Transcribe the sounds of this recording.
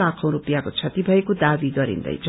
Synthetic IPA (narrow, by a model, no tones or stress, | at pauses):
akʰʌ̃w̃ɾupjakot͡sʰʌt̪ibʱʌekod̪abiɡʌɾḭnd̪ʌ̰jd͡zʌ